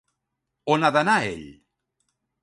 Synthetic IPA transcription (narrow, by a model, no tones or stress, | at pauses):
onaðənaḛʎ